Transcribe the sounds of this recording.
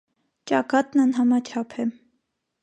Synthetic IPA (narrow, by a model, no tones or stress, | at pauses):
t͡ʃɑkɑt̪nɑnɦɑmɑt͡ʃʰɑpʰɛm